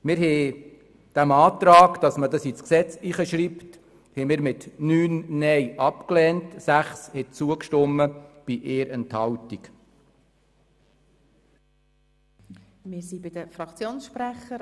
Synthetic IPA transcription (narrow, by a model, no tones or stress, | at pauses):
mɪɾɦɛː | d̥æmɑːt̪ɾɑːɡd̥ɑsmədɑsit͡sksɛt͡siχəʃɾipt | hɛmɪːɾmɪtnyːnnɛjʔɑpklɛːntsæχshɛt͡suəkʃtɔmːəb̥iʔeːɾʔɛnthɑwtik | mɪsibɪd̥̪əfɾɑkt͡sjoːnsʃpɾæχə